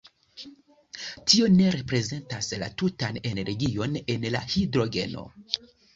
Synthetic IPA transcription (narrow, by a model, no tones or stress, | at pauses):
tio̞ne̞ɾe̞pɾe̞ze̞ntasla̰tutane̞ne̞ɾɡio̞ne̞nla̰hidɾo̞ɡe̞̰no̞̰